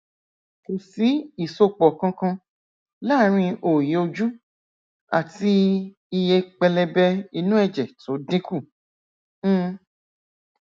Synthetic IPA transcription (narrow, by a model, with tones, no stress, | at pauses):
ko˨si˨˦i˦˨so˧k͡pɔ˨kã˧kã˧ | la˦ɾ̃ĩ˧ʔo˨ji˨˦o˧d͡ʒu˦ | a̰˨ti˧ | i˧je˧k͡pɛ˧lɛ˧bɛ˧i˧nũ˦ɛ˦˨d͡ʒɛ˨to˨˦dĩ˦ku˦˨˦